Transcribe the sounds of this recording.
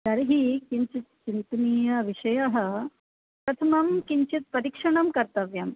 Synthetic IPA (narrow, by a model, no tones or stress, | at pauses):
d̪ɐɾɦikiɲt͡ʃit̪̚t͡ɕint̪niːjɐʋiʂɐjɐɦɐ̆ | pɾɐt̪ʰɐmɐmkiɲt͡ʃit̪̚pɐɾikʂɐɳɐmkɐɾt̪ɐʋjɐm